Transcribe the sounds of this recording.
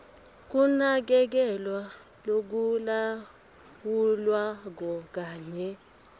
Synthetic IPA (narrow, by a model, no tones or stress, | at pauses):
k̬unak̬ɛk̬ɛlwa | lok̬ula | wulwak̬ɔk̬aːɲɛ